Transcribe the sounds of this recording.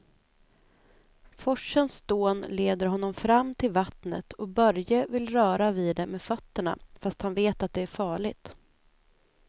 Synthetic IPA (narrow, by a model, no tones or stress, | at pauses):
fɔʂːənsd̪̥oːnleːd̪əɾɦɔnːɔmfɾamːt̪ʰɪlvat̪nət̪ʰɔbœɾjəvɪlɾœːɾaviːd̪ɛmeːd̪fœt̪ːəɳa̰fast̪hanveːt̪at̪̚d̪ɛæɾfɑːɭɪɡ̚t̪